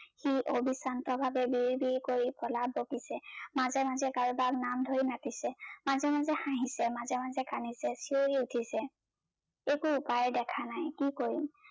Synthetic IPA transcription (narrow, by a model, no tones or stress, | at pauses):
xiʔobisantɔbʱabɛbiɹbiɹkoɹipɔlabokisɛmazɛmazɛkaɹubaknamdʱoɹinatisɛmazɛmazɛxãɦĩsɛmazɛmazɛkanisɛsioɹiutʰisɛ | ekʊupajɛdɛkʰanajkikoɹim